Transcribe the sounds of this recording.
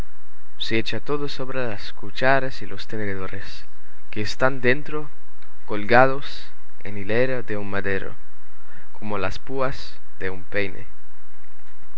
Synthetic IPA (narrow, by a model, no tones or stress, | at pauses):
seet͡ʃat̪oðosoβɾelaskut͡ʃaɾasilʔost̪eneðeðoɾes | keːst̪and̪ent̪ɾo | kolɡaðos | ḛnilejɾaðeunmaðeɾo̰ | kʰomolaspuas | ðeumpejnʔḛ